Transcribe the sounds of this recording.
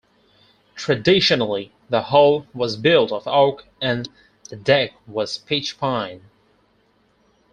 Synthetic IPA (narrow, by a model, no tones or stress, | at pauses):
tʰɹ̥ɨdɪʃɨnl̩ˠi | ðəhoʊlˠwʌzbɪlˠtʌvɑɹk | ɨ̃n | ðɨdɛk̚wʌz̥pʰɪt͡ʃpʰãɪ̃n